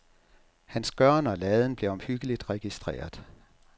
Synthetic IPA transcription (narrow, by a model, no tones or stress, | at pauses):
hænsɡ̥ɶɐ̰nɒ̽lɛːð̞ˠən̩b̥le̝ɒ̽mhyɡ̥əlid̥ʁɛɡ̥isd̥ʁḛːɐðˠ